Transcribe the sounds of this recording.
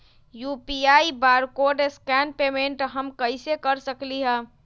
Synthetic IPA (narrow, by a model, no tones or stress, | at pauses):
jupiaːibaɾkoɾɖeskɛnpemẽɳʈɦəmkəɪsekəɾsəkliɦɛ̃ː